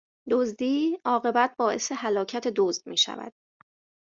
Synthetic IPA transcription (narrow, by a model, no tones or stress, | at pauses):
d̪ozd̪iːɒːɣe̞bæt̪̚ʰbɒːʔe̞se̞hælɒːcʰæt̪ʰe̞d̪ozd̪̥̚miːʃæ̰væ̰d̪̥̚